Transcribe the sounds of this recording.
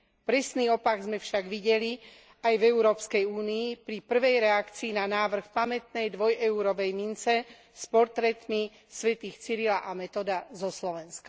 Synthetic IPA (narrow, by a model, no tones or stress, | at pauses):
pɾɛsniːɔpaɡzmɛfʃaɡʋiɟɛli | ajvɛuɾɔːpskɛjuːniːpɾipr̩ʋɛjɾɛakt͡siːnanaːʋr̩xpamɛt̪̚nɛjd̪ʋɔjɛuɾɔʋɛjmint͡sɛ | spɔɾt̪ɾɛt̪mi | sʋɛt̪iːxt͡siɾilaʔamɛt̪ɔd̪azɔslɔʋɛnska